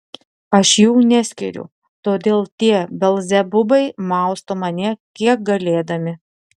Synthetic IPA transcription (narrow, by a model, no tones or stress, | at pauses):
ɐʃjuːnʲɛsʲkʲɪ̰ɾʲʊ̰ | t̪oːd̪ʲeːlˠt̪ʲiɛbʲɛlˠʲzʲɛbʊbɐɪmɑˑʊst̪oːmɐnʲɛkʲiɛk̚ɡɐlʲeːd̪ɐmʲɪ